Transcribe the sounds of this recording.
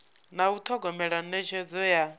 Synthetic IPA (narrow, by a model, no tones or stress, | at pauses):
naut̪ʰɔɡɔmɛɺannɛt͡ʃʰɛd͡zɔja